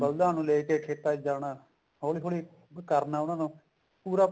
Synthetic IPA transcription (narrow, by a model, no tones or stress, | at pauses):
bəld̪ːɦaːnũːleːkeːkʰeːt̪aːd͡ʒaːnaː | ɦoːliːɦoːliː | kəɾnaːʊnãːnũː | puːɾaː